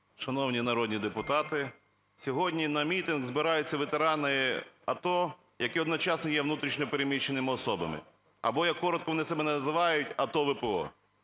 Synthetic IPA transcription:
ʃɐnɔwnʲinɐɾɔd̪ʲnʲid̪epʊt̪ɑt̪ɪ | sʲɔɦɔdʲnʲinɐmʲit̪ɪnɣzbɪɾɑjʊt͡sʲːɐʋet̪eɾɑnɪɐt̪ɔ | jɐkɪɔd̪nɔt͡ʃɑsnɪjɛʋnut̪ɾʲiʃnʲɔpeɾemʲit͡ʃːenɪmɪɔsɔbɐ̰mɪ̰ | ɐ̰bɔjɐkːɔɾɔt̪kɔʋɔnɪsɛbɛnɛnɐzɪʋɑjʊtʲɐt̪ɔʋɪpeɔ̰

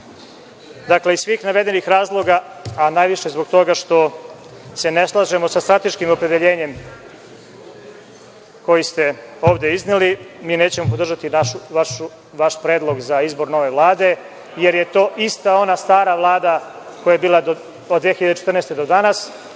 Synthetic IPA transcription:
d̪akle̞isʋiːxnaʋe̞d̪e̞nixɾaːzlˠo̞ɡa | anajʋiʃe̞zbo̞ɡt̪o̞ɡaʃt̪o̞ | se̞ne̞slˠaʒe̞mo̞sast̪ɾat̪e̞ʃkimopɾe̞d̪eʎeːɲe̞m | ko̞jist̪e̞o̞ːʋd̪e̞iznelimiːne̞ːt͡ɕemop̬od̪r̩ʒat̪inaʃuʋaʃu | ʋaʃpɾeːd̪lˠo̞ɡzaizbo̞ɾno̞ʋe̞ʋlˠaːd̪e̞ | je̞ɾje̞t̪o̞ːʔist̪ao̞nast̪aːɾaʋlˠaːd̪a | ko̞jajebiːlˠad̪o | od̪ːʋeːxiʎad̪et͡ʃet̪rnest̪ed̪od̪anas

